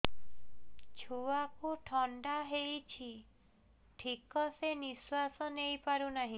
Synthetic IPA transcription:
t͡ʃʰuwakuʈʰɔɳɖaɦejt͡ʃʰi | ʈʰikɔseniswasɔnejpaɾunaɦĩ

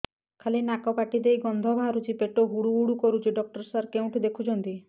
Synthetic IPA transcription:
kʰalinakɔpaʈid̪ejɡɔnd̪ʱɔbʱaɾut͡ʃʰipeʈoɦuɽuːɽukɔɾut͡ʃʰiɖɔk̚ʈɔɾsaɾkeũʈʰid̪ekʰut͡ʃʰɔnt̪i

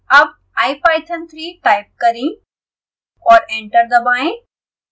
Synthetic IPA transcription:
ɐb̚ | aːɪpaːɪt̪ʰənt̪ʰɾiːʈaːɪp̚kɐɾĩ | ɔːɾẽːɳʈəɾd̪ɐbaːɪ̃

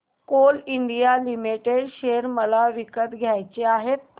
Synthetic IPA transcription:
koliɳɖijalimiʈeɽɕeɾməlaʋikət̪ɡʱjajt͡ɕeaɦet̪ː

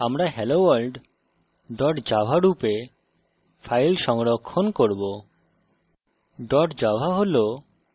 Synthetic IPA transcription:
amɾaɦɛlowalɖ | ɖɔʈd͡ʑabʱaɾupe | fʰajlʃɔŋɾokʰːonkoɾbo | ɖɔʈd͡ʑabʱaɦolo

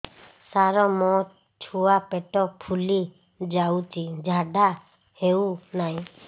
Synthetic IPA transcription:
saɾɔmɔ | t͡ʃʰuapeʈɔpʰuli | d͡ʒawt͡ʃid͡ʒʱaɖa | hewnaj̃

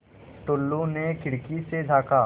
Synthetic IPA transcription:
ʈʊlːonekɪɽkised͡ʒʱaːkaː

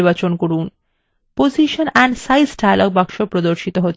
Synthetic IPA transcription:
ɾbat͡ɕonkoɾun | pod͡ʑiʃonɛɳɖsajsʈajlɔk̚bakʃopɾod̪oɾʃit̪oɦot̪ː

